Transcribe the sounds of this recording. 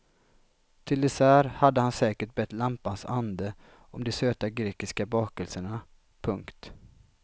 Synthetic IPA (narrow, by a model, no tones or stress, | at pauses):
t̪ʰɪld̪ɛsæːɾhad̪ːəhansɛːkəʈ̚bɛt̪ːlampansand̪ə | ɔmd̪ɛsøːt̪aɡɾeːkɪskabɑːkəlsəɳa | pʰɵŋkt̪